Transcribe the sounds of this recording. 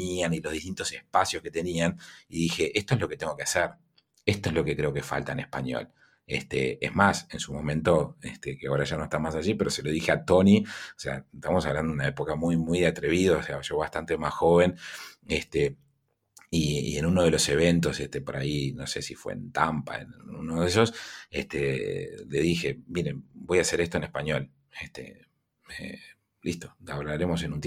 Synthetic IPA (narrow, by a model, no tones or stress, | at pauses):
ianiloðiht̪int̪o̞sehpasjosket̪e̞nianiðixeʔest̪oezlo̞ket̪eŋɡo̞keaseɾ | est̪oezlo̞kekɾeo̞ke̞fa̰lt̪aenehpa̰ɲjo̞̰l | ḛst̪ḛḛzmasensumõ̞mẽnt̪o̞est̪ekeaoɾaʒanoest̪amasaʒipe̞ɾo̞se̞loðixeat̪o̞niosea̰et̪aβamosaβland̪ounaepokamujmujðeat̪ɾeβiðaoseaʒoβaht̪ant̪emasxo̞βe̞nest̪e | iḭenunoð̞e̞lo̞se̞β̞e̞nt̪o̞sest̪epoɾa̰ino̞se̞̰sifwḛḛnt̪ampa̰ḛnṵnoðeso̞sest̪ele̞ðixe̞miɾebo̞jase̞ɾest̪oenespaɲjo̞l | est̪ḛ | e | list̪o̞aβlaɾemo̞s̬e̞nũnt̪